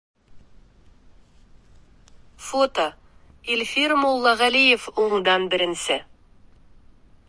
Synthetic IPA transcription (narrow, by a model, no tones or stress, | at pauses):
fot̪o | ilʲfiɾmolˠːɑʁælijefuɴd̪ɑnbɘ̆ɾɘ̆nsɘ